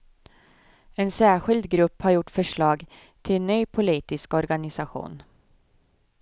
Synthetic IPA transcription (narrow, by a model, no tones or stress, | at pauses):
ɛnsæːɧɪld̪ɡɾɵpːhaɾjʊʈːfœʂɭɑːɡ | t̪ʰɪlnyːpʰʊliːt̪ɪskɔɾɡanɪsaɧṵːn